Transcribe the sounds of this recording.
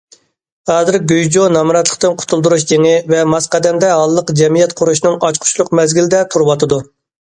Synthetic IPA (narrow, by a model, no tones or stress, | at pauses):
ɑːzɪɾɡʲøjd͡ʒonɑmɾɛt̪lˠə̥q̚t̪ɨnqʰʊ̥t̪ʰulˠd̪uɾuʃd͡ʒeŋɪvɛmɑsqɛd̪ɛmd̪ɛɦɑlˠːəqd͡ʒɛmijɛt̪qʰʊɾuʃnɨŋɑt͡ʃqʰʊ̥t͡ʃʰlˠʊqmɛzɡʲilɪd̪ɛt̪ʰuɾwɑt̪ɨd̪u